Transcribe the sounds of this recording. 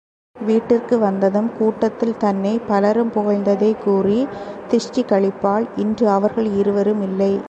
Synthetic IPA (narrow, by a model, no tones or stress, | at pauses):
ʋiːʈːɪrkɯʋɐnd̪ɐðɯmkuːʈːɐt̪ːɪlt̪ɐnːɐɪpɐlɐɾɯmpɔɣɐɻnd̪ɐðɐɪkuːrit̪ɪʂt͡ʃːikɐɭɪpːaːɭɪndrɯɐʋɐɾɣɐɭɪɾɯʋɐɾɯmɪlːɐɪ